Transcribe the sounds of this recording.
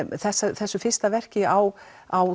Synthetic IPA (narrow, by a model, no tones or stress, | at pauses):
θɛsːaθɛsːʏfɪr̥st̪avɛr̥cɪaw | aw